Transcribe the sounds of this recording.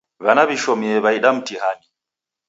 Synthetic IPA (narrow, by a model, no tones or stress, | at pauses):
βanaβiʃɔmiɛβaiɗam̩tihani